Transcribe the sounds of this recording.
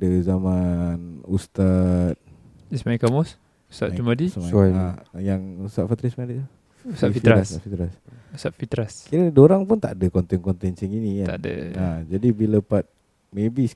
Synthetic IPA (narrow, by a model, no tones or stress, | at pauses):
dəzamanust̪at̪̚ | ismaikamɔs | u̥st̪atd͡ʒumadismaaajaŋust̪at̪ʔ̪fat̪ɾismadit̪u | ust̪afiɾaɾasfit̪ɾasust̪at̪̚fit̪ɾaskiɾədoɾaŋpʊnt̪a̰ʔdəkɔnt̪ɛnkɔnt̪ɛnt͡ʃiŋinikaa̰də̰ad͡ʒadibiləpat̪̚ | mebi